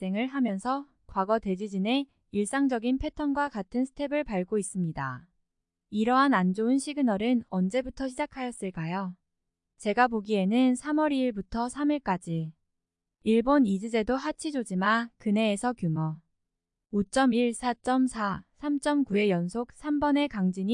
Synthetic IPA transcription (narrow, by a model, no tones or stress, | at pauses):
s͈e̞ŋɯɭɦamjʌnsʰʌ | kwaɡʌte̞d͡ʑid͡ʑine̞ | iɭs͈aŋd͡ʑʌɡinpʰe̞tʰʌnɡwakatʰɯnsʰɯ̥tʰe̞bɯɭpaɭɡois͈ɯmɲida̰ | iɾʌɦanand͡ʑoɯnɕʰiɡɯnʌɾɯnʌnd͡ʑe̞butʰʌɕʰid͡ʑakʰajʌs͈ɯɭk͈ajo | t͡ɕe̞ɡapoɡie̞nɯnsʰamʌɾiːɭbutʰʌsʰamiɭk͈ad͡ʑi | iɭbonid͡ʑɯd͡ʑe̞doɦat͡ɕʰid͡ʑod͡ʑimakɯne̞ːsʰʌkjumʌ | ot͡ɕ͈ʌmiɭsʰat͡ɕ͈ʌmsʰasʰamt͡ɕ͈ʌmkue̞jʌnsʰok̚sʰambʌne̞kaŋd͡ʑiɲi